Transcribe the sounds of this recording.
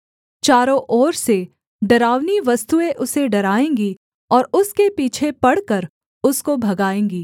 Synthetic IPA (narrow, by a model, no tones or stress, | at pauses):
t͡ʃaːɾõʔɔːɾse | ɖɐɾaːʋniʋɐst̪uẽʔʊseɖɐɾaːẽːŋɡi | ɔːɾʊskepiːt͡ʃʰepɐɽ̤kəɾ | ʊskobʱɐɡaːẽːŋɡiː